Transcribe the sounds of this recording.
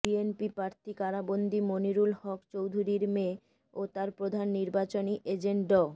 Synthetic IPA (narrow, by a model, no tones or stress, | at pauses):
bienpipɾaɾt̪ʰikaɾabond̪ʱimoniɾulhɔkt͡ɕowd̪ʱuɾiɾme | ot̪aɾpɾod̪ʱanːiɾbat͡ɕoniʔed͡ʑeɳʈɖɔ